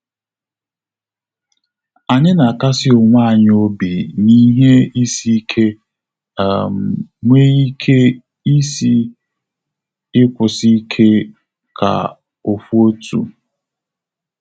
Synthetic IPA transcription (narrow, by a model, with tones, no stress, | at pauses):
a˨ɲɪ˦na˨ka˦sɪ˦ʊ˨ŋʷa˦a˨ɲ˦o˦bi˨ni˦ɦe˦i˦si˦kʰe˦˨ | m˨ŋʷe˦i˦kʰe˦ | i˦si˦ | ɪ˦kʷʊ˨si˦kʰe˦ | kʰa̰˨ | o˨fu˦o˦tṵ˨